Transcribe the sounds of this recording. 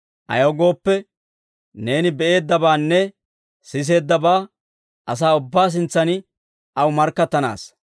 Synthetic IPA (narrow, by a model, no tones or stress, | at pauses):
ʔɐ̰jɐwɡo̞ːpːɛ | ne̞ːnɪbɛʔe̞ːd̪ːɐbaːnːɛ | sɪs̬e̞ːd̪ːɐbaː | ʔɐs̬aːʊbːaːs̬ɪnt͡sːɐnɪ | ɐwmɐɾkːɐt̪ːɐna̰ːs